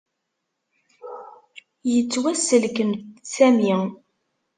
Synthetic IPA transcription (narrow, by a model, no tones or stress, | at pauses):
jət͡sːwæsəlkəntsæmi